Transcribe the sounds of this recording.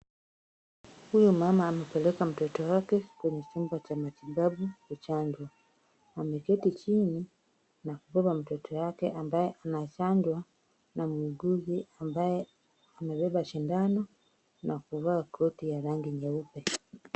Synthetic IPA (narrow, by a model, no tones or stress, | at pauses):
hujumamaːmɛpɛlɛkam̩tɔtɔwakɛkwɛɲɛt͡ʃumbat͡ʃamatibabukut͡ʃaɲd͡ʒwaː | mɛkɛtit͡ʃini | nakubɔbam̩tɔtʰɔjakɛʔambajɛʔanat͡ʃaɲd͡ʒwa | namwuiɡuɡiambajɛ | amɛbɛbaʃindanɔ | nakuvakʰɔtijaɾaŋɡiɲɛupɛ